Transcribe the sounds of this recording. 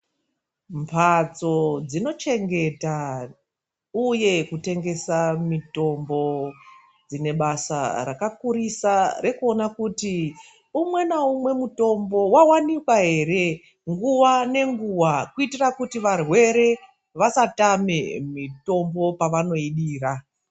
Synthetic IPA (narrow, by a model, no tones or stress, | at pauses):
mpʰat͡so̞d͡zino̞t͡ʃe̞ŋɡe̞ta | uje̞kute̞ŋɡe̞samito̞mbo̞ | d͡zine̞ɓasa̰ra̰kakuɾisarʔe̞kuo̞nakuti | umwe̞naumwe̞muto̞mbo̞wawanikwaɦe̞ɾe̞ | ŋɡuʋane̞ŋɡuwakuitirakutiʋarwe̞ɾe̞ | ʋasatame̞mito̞mbo̞paʋano̞iɗiːra